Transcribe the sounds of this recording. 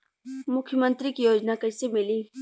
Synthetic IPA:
mʊkʰjəmə̃nt̪ɾikijoːd͡ʒnakɐsemɪliː

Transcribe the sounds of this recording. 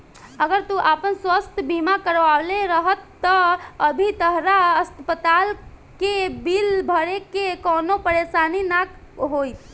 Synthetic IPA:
əɡəɾt̪uʔapənswəst̪ʰbimakəɾʋawleɾəɦət̪ːəəbʱit̪əɦɾaəst̪pət̪alkebilbʱəɾekekɔnopəɾesaninak | ɦojt̪ʰ

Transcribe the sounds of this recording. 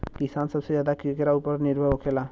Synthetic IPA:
kisaːnsəbsed͡ʒjaːd̪akikeɾaupəɾnɪɾbʱəɦokʰela

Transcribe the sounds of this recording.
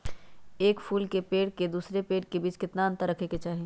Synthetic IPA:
eːkpʰuːlkepeːɽked̪uːsɾepeːʈkebiːt͡ʃkɪt̪naə̃nt̪aɾɐkʰeket͡ʃaːɦi

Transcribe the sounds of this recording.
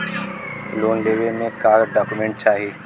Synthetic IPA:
loːnleːʋemẽkaːɾɖaːkumẽɳʈ̚t͡ʃaːɦieː

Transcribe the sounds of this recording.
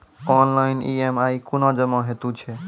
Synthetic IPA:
ɔnlainḭemaikunɔ̃d͡ʒəmɔ̃ɦet̪ut͡ʃʰɛ

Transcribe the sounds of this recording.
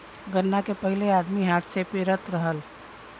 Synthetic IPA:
ɡənːakepəɦilead̪miɦat̪sepeɾət̪ɾəɦəl

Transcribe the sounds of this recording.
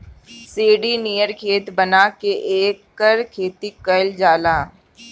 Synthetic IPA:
seːɖinijəɾkʰeːt̪bənakeʔeːkːəɾkʰeːt̪ikəld͡ʒaːlaː

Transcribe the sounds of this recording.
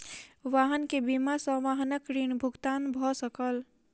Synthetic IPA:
ʋaɦənkebimasə̃ʋaɦənəkɾinbʱuɡt̪anbʱɔsəkəl

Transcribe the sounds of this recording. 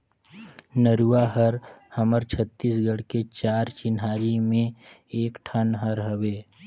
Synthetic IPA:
nəɾuaɦəɾhəməɾt͡ʃʰət̪ːisɡəɽket͡ʃaːɾt͡ʃɪnɦaːɾimẽ | eːkʈʰənɦəɾɦəweː

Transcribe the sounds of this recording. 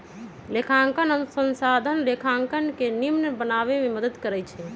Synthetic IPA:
lekʰãŋkənənsənsad̪ʱənlekʰãŋkənkenimnəbənaβememəd̪əd̪kəɾɛjt͡ʃʰɛ

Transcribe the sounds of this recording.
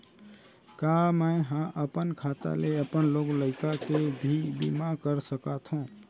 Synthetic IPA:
kaməɦãʔəpənkʰat̪a̰leəpənloɡləɪkakebʱibḭmakəɾsəkat̪ʰɦũ

